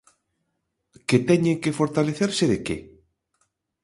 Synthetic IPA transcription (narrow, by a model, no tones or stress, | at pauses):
ket̪ɛɲeŋkefoɾt̪aleθeɾseðeke